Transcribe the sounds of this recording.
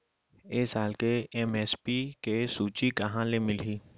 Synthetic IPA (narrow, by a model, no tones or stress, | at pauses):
eːsaːlkeɛmɛːspiːkesuːt͡ʃikəɦãlemɪliː